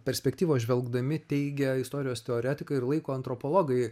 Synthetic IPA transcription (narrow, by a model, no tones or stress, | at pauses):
pʲɛɾʲsʲpʲɛkt̪ʲiːʋoːʒʲʋʲɛlˠɡd̪ɐmʲɪt̪ʲɛɪɡʲɛɪst̪oːɾʲɪjoːst̪ʲɛoːɾʲæːt̪ʲɪkɐɪɪɾlˠɐɪkoːɐnt̪ɾopolˠoːɡɐɪ